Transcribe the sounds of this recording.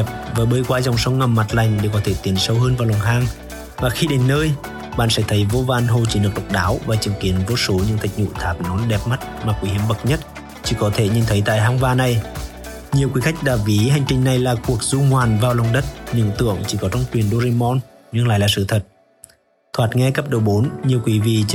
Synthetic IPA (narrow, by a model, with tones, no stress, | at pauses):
ɛ˨˩p̚vəː˨˦ɓəː˧˦jkwaː˨˧˦za˨˩wŋ͡msə˨˧˦wŋ͡mŋa˨˩mːa˨˩t̚la˨˩jŋ̟ɗe˧˩wkɔ˨˦t̪ʰe˧˩t̪i˨˦ənsə˧wɦəː˧nvaː˨˩wlaː˨˩nɦaː˧ŋ | vaː˨˩xi˧ɗe˨˦nːəː˧j | ɓa̰ː˧˨nsɛ̰˧˥t̪ʰə˨˦jvo˧vaː˧nɦo˧t͡ɕi˧˩nɨ˨˩ək̚ɗə˨˩k͡p̚ɗaː˨˦wvaː˨˩t͡ɕɨ˨˦əŋki˨˦ənvo˧so˨˦ɲɨ̰˧˥t̪ʰa˨˩k̚ɲṵ˧˨t̪ʰaː˨˦˩p̚nɔ˨˦nɗɛ˨˩p̚ma˦˥t̚maː˨˩kwi˨˦hi˨˦˩əmɓə˨˩k̚ɲə˦˥t̚ | t͡ɕi˨˧˦kɔ˨˦t̪ʰe˧˩ɲi˨˩nt̪ʰə˨˦jt̪a̰ː˧˨jɦaː˧ŋvaː˧na˨˩j | ɲi˨˩əwkwi˨˦xa˦˥jk̟̚ɗaː˨˩vi˨˦ha˨˩jŋ̟t͡ɕï˧˩ŋ̟na˨˩jlaː˨˩ku˨˩ək̚zu˧ŋwaː˨˩nvaː˨wla˨˩wŋ͡mɗə˦˥t̚ɲɨ̰˧˨ŋt̪ɨ̰˧˨əŋt͡ɕi˧˦kɔ˨˦t͡ɕɔ˧wŋ͡mt͡ɕwi˨˩ənɗo˧zi˧mɔ˧n | ɲɨ˧ŋla̰ː˧˨jlaː˨˩sɨ̰˧˨t̪ʰə˨˩t̚ | t̪ʰwaː˨˩t̚ŋɛ˧kə˦˥p̚ɗo˨˩ɓo˨˦nɲi˨˩əwkwi˨˦vi˧˨